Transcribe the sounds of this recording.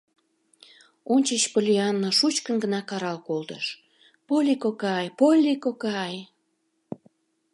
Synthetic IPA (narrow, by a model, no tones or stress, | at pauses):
onʲt͡ɕət͡ɕpolʲiɑnːoʃut͡ɕkənɡənɑkɑɾɑlkolt̪ə̰ʃ | polʲikokɑjpolʲikokɑj